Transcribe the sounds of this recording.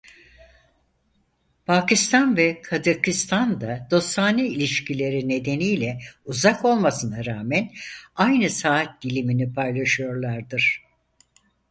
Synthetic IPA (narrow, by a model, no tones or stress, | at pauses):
pʰaːkist̪ʰanvɛkʰazakist̪ʰand̪ad̪̥o̞st̪aːnɯilʲiʃcʰilʲe̞ɾine̞d̪e̞nijlʲɛuzako̞lˠmasɯnaɾaːmɛnajnɯsaːt̪̚d̪ilʲiminipʰajlˠaʃɯjo̞ɾlˠaɾd̪ɯɾ̝̥